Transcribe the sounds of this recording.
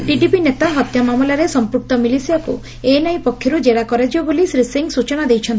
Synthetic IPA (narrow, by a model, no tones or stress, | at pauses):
ʈiɖipinet̪aɦɔt̪jamamɔlaɾesɔmpɾuk̚t̪ɔmilisijakṵ | enajpɔkʰːjɔɾud͡ʒeɽakɔɾed͡ʒibɔbolisɾisiŋɡsut͡ʃɔñad̪ejt͡ʃʰɔnt̪i